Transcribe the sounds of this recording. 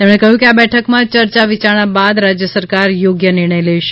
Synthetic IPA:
t̪emɽ̃ekəɦjũkeabɛʈʰəkmãt͡ʃəɾt͡ʃaʋit͡ʃaɽ̃abad̪ɾad͡ʒjəsəɾkaɾjoɡjənɪɾɳ̃əjleʃe̥

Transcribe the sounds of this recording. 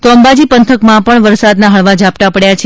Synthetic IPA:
t̪oəmbad͡ʒipənt̪ʰəkmãpəɳʋəɾsad̪naɦəɭʋad͡ʒap̚t̪apəɽjat͡ʃʰe

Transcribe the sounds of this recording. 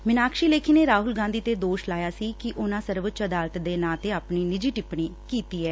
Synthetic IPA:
mɪnaːkʃiːleːkʰiːneːɾaːɦʊlɡãːnd̪iːt̪eːd̪oːʃlaːjaːsiːkɪʔʊnãːsəɾʋət͡ʃəd̪aːlt̪d̪eːnãːt̪eːaːpɳiːnɪd͡ʒiːʈɪpɳiːkiːt̪iːɛː

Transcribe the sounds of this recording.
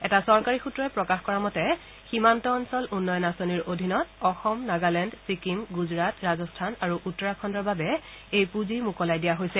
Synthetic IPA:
ɛtasɔɹkaɹixutɹɔɛpɹɔkaxkɔɹamɔtɛ | ximantɔːnsɔlʔunːɔjɔnasoniɹodʱinɔtɔxɔmnaɡalɛndsikimɡuzɹatɹazɔstʰanaɹuʔutːɔɹakʰɔndɔɹbabɛ | ejpuzimukɔlajdijaɦojsɛ

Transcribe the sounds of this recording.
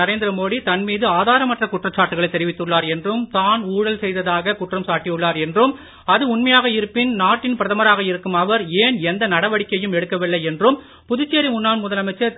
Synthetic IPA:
ɐɾeːnd̪ɪɾɐmoːɽit̪ɐnmiːðɯaːðaːɾɐmɐʈrɐkʊʈrɐt͡ʃaːʈːɯɣɐɭɐɪt̪ːɛɾɪʋɪt̪ːɯɭːaːɾɛndrɯmt̪aːnuːɽɐlsɛjðɐðaːɣɐkʊʈrɐmsaːʈːijɯɭːaːɾɛndrɯm | ɐðɯʊnmɐjaːɣɐɪɾɯpːɪnnaːʈːɪnpɪɾɐðɐmɐɾaːɣɐɪɾɯkːɯmɐʋɐɾeːnɛnd̪ɐnɐɽɐʋɐɽɪkːɐjɯmɛɽɯkːɐʋɪɭːɐɪɛndrɯm | pʊðʊt͡ʃːeːɾimʊnːaːɳmʊðɐlɐmɐɪt͡ʃːɐɾ

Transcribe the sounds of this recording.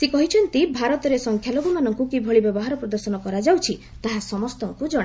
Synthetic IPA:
sekɔɦit͡ʃʰɔnt̪ibʱaɾɔt̪ɔɾesɔŋkʰjaloɡumanɔŋkukibʱɔɭibɔbɔɦaɾɔpɾɔd̪ɔɾsɔnɔkɔɾad͡ʒawt͡ʃʰi | t̪aɦasɔmɔst̪ɔŋkud͡ʒɔɽa

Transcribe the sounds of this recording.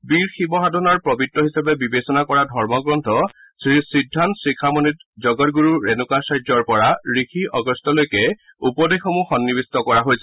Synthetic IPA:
biɹxibɔɦadʱɔnɔɹpɹɔbitːɔɦisapɛbibesɔnakɔɹadʱɔɹmɔɡɹɔntʰɔ | sɹisidʱːantsɹikʰamɔnitzɔɡɔtɡuɹuɹɛnʊkasajd͡ʒɔɹpɔɹaɹixʰiʔɔɡɔstɔlojkɛ | upɔdexɔmuxɔnːibistɔkɔɹaɦojsɛ

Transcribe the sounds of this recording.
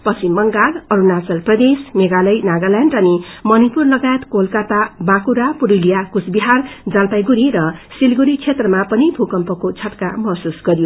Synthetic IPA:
pʌt͡simːʌŋɡalʌɾunat͡sʌlprʌd̪esmeɡalʌjnaɡalaɳɖʌnimʌnipurlʌɡajet̪kolkat̪abakuɾapuɾulijakusbiɦard͡zalpajɡuɾiɾʌsilɡuɾit͡sʰet̪rʌmapʌnibʱukʌmpʌkot͡sʰʌʈkamʌɦsusɡʌɾijo

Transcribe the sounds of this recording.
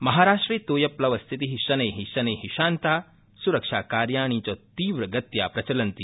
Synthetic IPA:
mɐɦaːɾaːʂʈɾiːt̪oːjɐplɐʋɐst̪ʰit̪iɦiɕɐneɦiɕɐneɦiɕaːnt̪a | suɾɐkʂakaːɾjaːɳ̃it͡ɕɔt̪iːʋɾəɡɐt̪ja̰pɾɐt͡ɕɐlɐnt̪i

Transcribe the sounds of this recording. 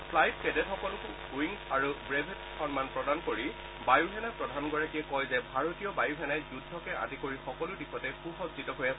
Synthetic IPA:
pʰlajt̚kɛdɛtxɔkɔlʊkʊ | wiŋaɹubɹebʱɛ | xɔnmanpɹɔdankoɹi | bajuɦɛnapɹɔdʱanɡɔɹakiɛkɔjzɛbʱaɹotijɔbajuɦɛnajzudʱːɔkɛa̰dikoɹixɔkɔlʊdikʰɔtɛxuxɔzzitɔɦojɛ

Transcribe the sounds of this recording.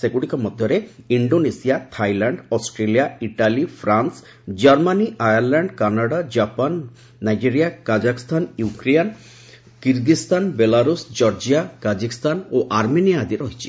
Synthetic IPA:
seɡuɽikɔmɔd̪ʱjɔɾeiɳɖonesijat̪ʰajlaɳɖɔsʈɾelijaiʈalifʰɾans | d͡ʒaɾmaniʔajaɾlaɳɖkanaɽad͡ʒapanː | ajd͡ʒeɾijakad͡ʒakist̪ʰanjukɾejan | kiɾɡist̪anbelaɾusd͡ʒɔɾd͡ʒijakad͡ʒikst̪ʰanoʔaɾmeniad̪iɾɔɦit͡ʃʰi̥

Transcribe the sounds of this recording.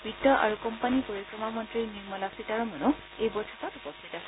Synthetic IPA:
bʱidɔʔa̰ɹukɔmpanipoɹikɹɔmamɔntɹiniɹmɔlasitaɹɔmɔnɔ | ejbɔɹtʰapɔtupɔst̪ʰitas

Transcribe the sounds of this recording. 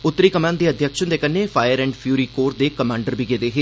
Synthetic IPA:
ʊt̪ːəɾiːkəmãːnd̪iːəd̪ʱjəkʃə̃d̪eːkənːefʰaːjəɾɛ̃ːɳɖpʰjuːɾiːkoːɾd̪eːkəmãːɳɖəɾbʱiːɡed̪eːɦeː

